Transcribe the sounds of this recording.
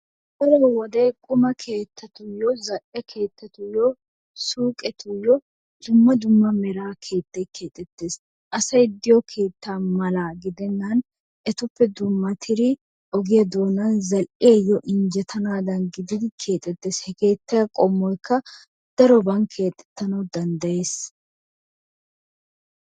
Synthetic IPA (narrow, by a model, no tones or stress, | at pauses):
bɐɾɔwɔd̪ɛjkʼʊmɐkʰe̞ːt̪ʰːɐt̪ʊjɔzɐʔɛkʰe̞ːt̪ːɐt̪ʊjɔ | suːkʼɛt̪ʊjɔ | d̪̥ʊmːɐd̪ʊmːɐmɛɾaːkʰe̞ːt̪ːɛjkʰe̞ːt̪ʼːɛt̪ːe̞ːs | ʔɐsɐjd̪ɪjɔkʰe̞ːt̪ːaːmɐlaːɡɪd̪ɛnːɐn | ʔɛt̪ʊpːɛd̪ʊmːɐt̪ʰɪɾɪ | ʔɔɡɪjɐd̪oːnɐnzɐlʔɪɐjːɔʔɪnd͡ʒɛt̪ʰɐnaːd̪ɐnɡɪd̪ɪd̪ɪkʰe̞ːt̪ʼːɛt̪ːe̞ːshɛke̞ːt̪ːɐjɐkʼɔmːɔjkːɐ | d̪̥ɐɾɔbɐnkʰe̞ːt̪ʼːɛ̥t̪ːɐnɐwd̪ɐnd̪ɐje̞ːs